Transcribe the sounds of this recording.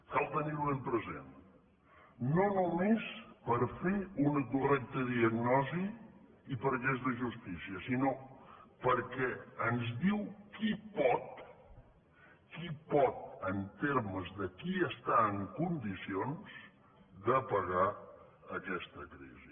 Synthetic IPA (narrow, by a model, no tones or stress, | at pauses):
kalˠt̪əniɾuβempɾəzḛn | nonumespəɾfeunəkurɛk̚t̪əðiəɡnɔziː | pəɾʒɛzðəʒust̪isiəsinopəɾkɛənzðiwkipɔt̪ | kipɔt̪̚ənt̪eɾməzðəkiəst̪aəŋkund̪isionz̥ | d̪əpəɣaəkɛst̪əkɾḭzi